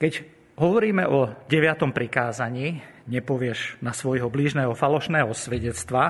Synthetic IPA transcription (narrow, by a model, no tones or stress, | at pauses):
kɛɟ | ɦɔʋɔɾiːmɛʔɔɟɛʋɪat̪ɔmpɾikaːzaɲiːɲɛpɔʋɪɛʒnasʋɔjɦɔbliʒnɛːɦɔfalɔʃnɛːɦɔsʋɛɟɛt͡st̪ʋa